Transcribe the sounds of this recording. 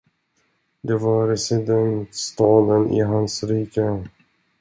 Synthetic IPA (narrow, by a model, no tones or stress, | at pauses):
d̪ɛvaɾɛsɪd̪ɛnt̪st̪ɑːd̪ənʔɪ̰ɦansɾiːkə